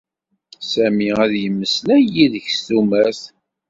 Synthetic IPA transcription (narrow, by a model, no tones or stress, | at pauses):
sæmiæðjəmːəslæjiðəçsθumæθ